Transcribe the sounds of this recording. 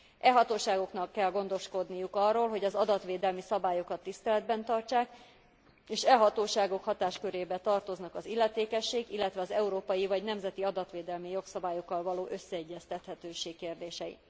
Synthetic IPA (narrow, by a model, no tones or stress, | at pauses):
ʔɛɦɒt̪oːʃaːɡo̞knɒkːɛlɡo̞nd̪o̞ʃko̞d̪nijukɒrːoːlɦo̞ɟɒzɒd̪ɒt̪ʋeːd̪ɛlmisɒbaːjo̞kɒt̪ːist̪ɛlɛd̪bɛnt̪ɒrt͡ʃaːk | eːʃɛɦɒt̪oːʃaːɡo̞khɒt̪aːʃkø̞ɾeːbɛt̪ɒrt̪o̞znɒkɒzilːɛt̪eːkɛʃːeːɡilːɛt̪ʋɛɒzɛuɾoːpɒjivɒɟnɛmzɛt̪iɒd̪ɒt̪ʋeːd̪ɛlmijo̞ksɒbaːjo̞kːɒlvɒloːʔøsːɛɛɟːɛst̪ɛt̪hɛt̪øːʃeːkːeːrd̪eːʃɛjḭ